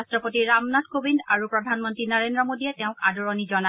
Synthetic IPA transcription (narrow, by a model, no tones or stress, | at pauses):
stɹɔpotiɹamnat̚kobindaɹupɹɔdʱanmɔntɹinaɹendɹɔmodiɛtɛʊ̃kadɔɹɔnizɔna